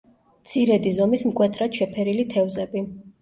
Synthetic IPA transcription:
mt̪sʰiɾɛd̪izɔmismkʼwɛt̪ʰɾat̪ʃɛpʰɛɾilit̪ʰɛvzɛbi

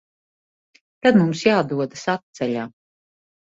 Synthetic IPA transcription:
t̪ad̪mumsjaːd̪uɔd̪asat̪̚t̪sɛʎʲaː

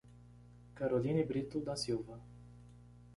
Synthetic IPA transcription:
kaɾolʲinibɾit̪ud̪asiva

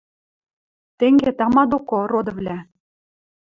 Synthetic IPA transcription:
t̪eŋɡet̪ɑmɑd̪okorod̪ɤ̆vlʲæ

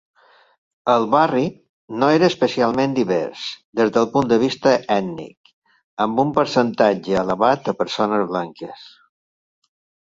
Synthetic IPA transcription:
əlˠβari | noeɾəːspəsialˠmẽnd̪iβɛ̰ɾsd̪ezðəlˠpund̪əβist̪əɛd̪nḭk | əmbumpəɾsənt̪ad͡ʒəələβat̪̚əpəɾsonəzβlaŋkəs

